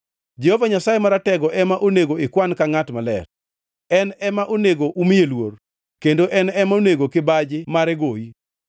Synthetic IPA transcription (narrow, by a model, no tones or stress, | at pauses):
d͡ʒehovaɲasajemaɾatɛɡɔʔɛmaʔoneɡoɪkwankaŋatmalɛ̰r | ɛnɛmaʔoneɡoʔumijelwor | kendoʔɛnɛmaoneɡokɪbad͡ʒɪmaɾɛɡoi